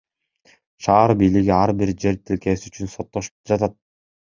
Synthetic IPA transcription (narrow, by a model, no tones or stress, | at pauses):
ʃɑːɾbijliɡiɑɾbiɾd͡ʒe̞ɾt̪ʰilkeːsyyt͡ʃynsot̪ːoʃɯ̥p̚d͡ʒɑt̪at̪̚